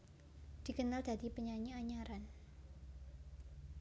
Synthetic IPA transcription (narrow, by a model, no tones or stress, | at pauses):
d̥i̤kənald̥a̤dipəɲaɲiaɲaɾan